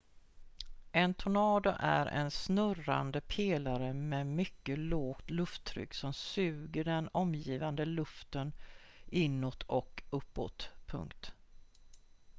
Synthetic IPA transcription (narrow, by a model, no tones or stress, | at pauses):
ʔɛnt̪ʰʊnɑːd̪ʊʔæ̰ɾʔɛ̰nsnɵra̰nd̪əpʰeːlaɾəmɛmʏkːəloːɡt̪lɵft̪ʰːɾʏ̰kːsɔmsʉ̟ːɡəɖɛnɔmjiːvand̪əlɵft̪ən | ʔɪnːoːt̪ʰɔkɵpːo̰ːt̪pʰɵ̰ŋkt̪